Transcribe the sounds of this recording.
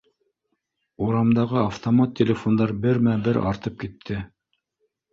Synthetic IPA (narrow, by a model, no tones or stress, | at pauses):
uɾɑmd̪ɑʁɤaft̪omat̪ʲːelʲɪfond̪ɑɾbɘɾmæbɘɾɑ̰ɾt̪ɤp̚kit̪ʰːɘ